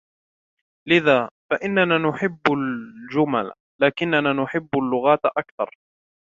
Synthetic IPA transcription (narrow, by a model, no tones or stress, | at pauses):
lɪðaːfaʔɪnːanaːnʊħɪbːald͡ʒʊma̰l | laːkɪnːanaːnʊħɪbːalːʊɣaːt̪ʔakθɑ̰ɾˤ